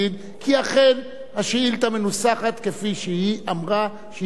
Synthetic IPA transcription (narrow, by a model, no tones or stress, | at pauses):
id̪ | kʰiaχe̞n | haʃeilt̪amenusaχat̪kefiʃeiamʁa | ʃe